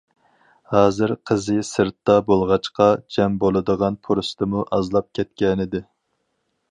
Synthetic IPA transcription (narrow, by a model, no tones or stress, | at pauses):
hɑːzɨɾqʰəzɨsɨɾt̪ːɑbolˠʁɑt͡ʃqɑd͡ʒɛmbolˠɨd̪əʁɑnpʰuɾust̪ɨmuʔɑzlˠɑp̚kʲʰɛt̪̚kʲɛnɪd̪ɪ